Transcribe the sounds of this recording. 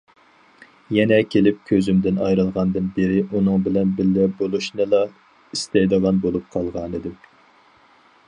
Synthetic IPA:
jɛnɛkʲʰelɪp̚kʲʰøzymd̪ɪnɑ̰jɾɨlˠʁɑnd̪ɨnbeɾɪʔunɨŋbɪlɛnbɪlːɛbolˠuʃnɨlˠɑ | ist̪ɛjd̪əʁɑnbolˠup̚qʰɑlˠʁɑnɨd̪ɨ

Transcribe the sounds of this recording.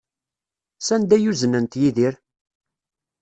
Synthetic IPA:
sænd̪æjuzənənt̪jiðiɾ

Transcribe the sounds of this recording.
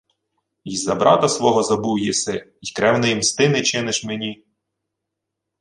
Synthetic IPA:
izɐbɾɑ̰t̪ɐsʋɔɦɔzɐbuwjisɪ | ikɾɛwnɪjimst̪ɪnɪt͡ʃɪnɪʃmenʲi

